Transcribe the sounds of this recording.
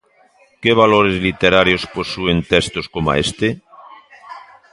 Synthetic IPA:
keβ̞aloɾezlit̪eɾaɾjosposuent̪est̪oskoma̰est̪e

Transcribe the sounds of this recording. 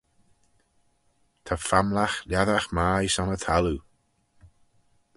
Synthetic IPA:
t̪ʰafamlaxlaðaxmajsɔnət̪ʰalu

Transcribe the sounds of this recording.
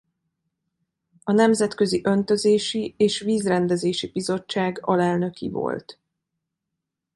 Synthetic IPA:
ɒnɛmzɛt̪kø̞ziʔø̞nt̪ø̞zeːʃieːʃʋiːzrɛnd̪ɛzeːʃibizo̞t͡ʃːaːɡɒlɛlnø̞kḭvo̞̰lt̪

